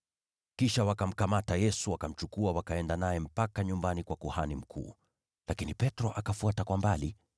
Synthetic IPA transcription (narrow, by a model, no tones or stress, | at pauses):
kiʃawakam̩kamatajɛsuwakam̩t͡ʃukuawakaɛndanajɛm̩pakaɲumbanikwakuhanim̩kʰṵː | lakinipɛtɾɔʔakafuatakwambali